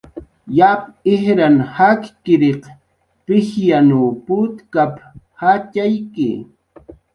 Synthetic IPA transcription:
jap̚ɪhɾanhakkɪɾeq | pɪxjanuːpʊt̪kap | hat͡ʃajkɪ̰

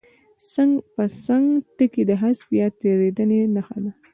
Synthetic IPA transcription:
saŋɡpəsaŋɡʈəkid̪əɦasbjat̪eɾed̪ənenaxad̪a

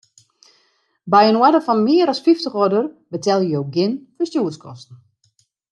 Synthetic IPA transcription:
bɛjənwɛdəfɔnmɪəɾɔsfiftəxɔdərbətɛlˠjəjoɡɪnfəstjuːəskʰɔstn̩

